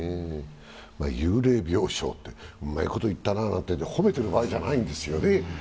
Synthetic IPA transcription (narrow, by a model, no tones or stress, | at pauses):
e | ma̰jɯːɾe̞ːbʲjo̞ːɕo̞̰ːt̪ːe̞omːaiko̞t̪oit̪ːananã̰nt̪ːeho̞me̞t̪e̞ɾɯ̟baːiʑanaĩnd̪e̞sɨjo̞ne̞